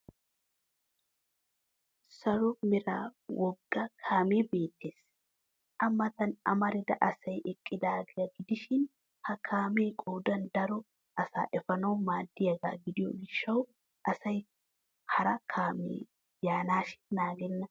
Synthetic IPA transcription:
sɐɾɔmɪɾa̰ːwɔɡːɐkʰaːmeːbeːt̪ːeːs | ʔɐmːɐt̪ɐnɐ̰mɐɾɪd̪ɐʔɐsɐjʔɛkʼːɪd̪aːɡɪjɐɡɪd̪ɪʃɪn | hɐkʰaːmeːkʼoːd̪ɐnd̪ɐɾɔ | ʔɐsa̰ːʔɛfɐnɐwmaːd̪ːɪjɐɡa̰ːɡɪd̪ɪjɔ̰ɡɪʃːɐw | ʔɐsɐj | hɐɾɐkʰaːmḛː | jaːnaːʃɪ̥nnaːɡɛnːɐ

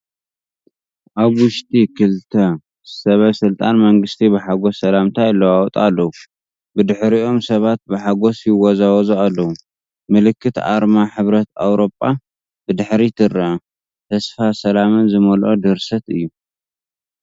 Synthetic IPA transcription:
ʔaβwʊʃt̪ʼikʰɨlt̪ʰɐ | sɐβɐsɨlt̪ʼanmɐŋɡɨst̪ʰibɨħaɡosːɐlamt̪ʰajlːɐwawt̪ʼalːɐwu | bɨd̪ɨħɾiʔo̞msɐβat̪̚bɨħaɡo̞sjɪwɔzawɔzualːɐwu | mɨlɨkʰːɨt̪a̰ɾmaħɨβɾɐt̪a̰wɾo̞pʼːa | bɨd̪ɨħɾit̪ʰɨɾɐ | t̪ʰɐsfasɐlamɨnzɨmɐlʔod̪ɨɾsɐt̪ɨjːu

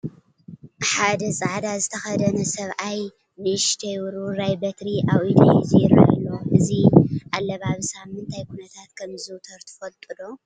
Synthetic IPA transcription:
ħad̪ɐsʼaʕd̪azɨt̪ʰɐxɐd̪ɐnɐsɐβʔaj | nɨʃt̪ʰɐjwɾuɾajbɐt̪ɾiʔawid̪iziɾ̰a̰lːoʔɨziʔalːɐβaβsammɨnt̪ʰajkʰunɐt̪ʰat̪kʰɐmzɨt̪ʰɐɾt̪ʰɨ̥fɐlt̪ʼɨd̪o

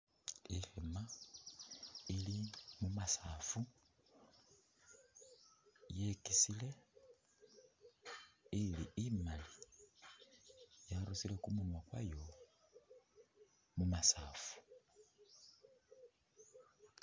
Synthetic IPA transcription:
ihema | ilimumasafu | jekisile | iliimali | jaɾusilekumunwakwa̰jo | mumasaːfu̥

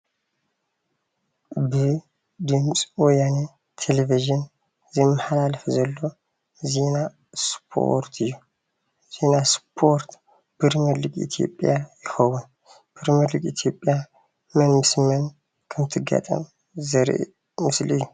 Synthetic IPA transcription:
bɨ | d̪ɨmsʼwɔjane | t̪ʰeleviʒɨn | zimːɨhalaləfzɐlːo | zena | spʰo̰ɾt̪ʰɨjːu | z̥e̞naspʰo̞ɾt̪ | b̥ɨɾmɨlɨɡʼḭt̪ʰijo̰pʼjajɪxəwum | b̥ɨɾmɨlɨkʼit̪ʰjo̞pʼːja | mənmɨsmən | kʰɨmɨt̪ʰːɨɡa̰t̪ʼə̰m | zəɾʔḛ | mɨslɨjːu

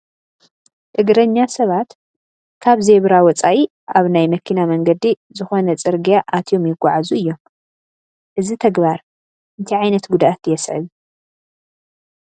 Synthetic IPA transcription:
t̪ʼɨɡɾɐɲːasɐβat̪ | kʰaβzeβɾawɔt͡sʼaʔi | ʔaβnajmɐkʰinamɐŋɡɐd̪i | zɨxo̞nɐt͡sʼɨɾɡijaʔat̪ʰjo̞mjɪɡʷːaʕazuɨjːo̞m | ʔɨzit̪ʰɐɡbaɾ | ʔɨnt̪ʰiʕajnɐt̪ɡud̪aʔat̪jɛsʕɨ̰β

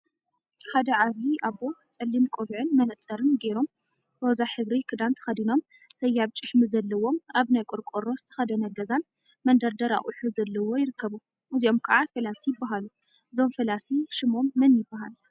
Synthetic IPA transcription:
ħad̪ɐʕaβiʔaβo̞t͡sʼɐlːimkʼoβiʕɨnmɐnɐt͡sʼːɐɾɨnɡeɾo̞m | bozaħɨβɾikʰɨd̪ant̪ʰɐ̥xɐd̪ino̞m | sɐjːaβt͡ʃʼɨħmɨzɐlːɐwo̞maβnajkʼoɾkʼoɾo̞zɨ̥t̪ʰɐ̥xɐd̪ɐnɐɡɐzan | mɐnd̪ɐɾd̪ɐɾa̰χʼuħuzɐlːɐwo̞jɪɾɨkʰːɐβu | ʔɨzio̞mkʰɐʕafɐlasijɪbːaɦalu | ʔɨzo̞mfɐlasiʃɨmo̞mːɨnjɪbːaɦal

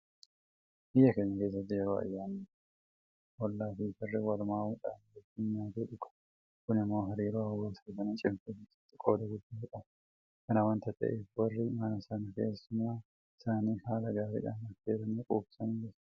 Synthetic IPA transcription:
ʔɪjːɐkeɲːɐkeːs̬ːɐt̪ːɪjɛɾoːɐ̰jːaːnːi̥ | wɔlːaːfiːfɪrːɛwɐlmaːwʊᶑa̰ːnɡɛtːɪɲɲaːd̪eᶑʊkɐ̥ | kʊnɪmːoːɦɐɾiːɾoːɐwːeːsɐkɐnɐt͡ʃʼɪmfeɪ̥t̪ːɪkʼoːd̪ɐɡʊd̪ːaːᶑɐ | kɐnɐwɐnt̪ɐt̪ːɐ̰ʔeːfwɐrːimaːnɐsanɐke̞̰ːsːʊmːaː | ɪsaːniːhaːlɐɡaːɾɪ̰ᶑɐ̰nːɐfeːɾɐniːkʼuːbsɐnɪlɪ

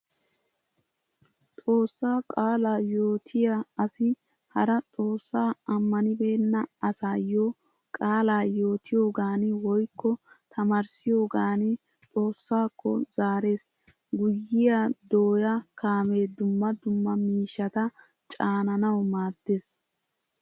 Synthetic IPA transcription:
t̪ʼo̞ːsːaːkʼaːlaːjo̞ːt̪ʰɪjaɐsɪ | hɐɾɐt̪ʼo̞ːsːaːɐmːɐnɪbeːnːɐɐsaːjo | kʼaːlaːjo̞ːt̪ʰɪjo̞ːɡaːnɪwɔjkːɔ | t̪ʰɐmɐɾsɪjo̞ːɡaːnɪ | t̪ʼo̞ːsːaːkːɔ̰zaːɾe̞ːs | ɡʊjːɪjad̪oːjɐkaːme̞ːd̪ʊmːɐd̪ʊmːɐmiːʃːɐt̪ɐ | t͡ʃʼaːnɐnɐwmaːd̪ːes

